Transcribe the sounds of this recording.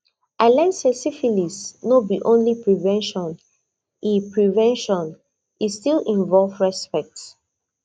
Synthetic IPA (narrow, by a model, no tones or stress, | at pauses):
ʔaɪlãɪ̃nsɛsifilisnobiʔõnlipɹivɛ̃nʃɔ̃n | ipɹivɛ̃nʃɔ̃n | istilĩnvɔlfɹɛspɛk̚t